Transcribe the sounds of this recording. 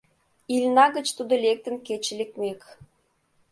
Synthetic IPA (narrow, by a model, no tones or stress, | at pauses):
ilʲnɑɣə̆t͡ɕt̪ud̪olʲek̚t̪ə̆nket͡ɕelekmek